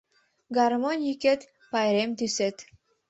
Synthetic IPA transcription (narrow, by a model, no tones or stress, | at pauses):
ɡɑrmonʲjiket̪ | pɑjɾemt̪yset̪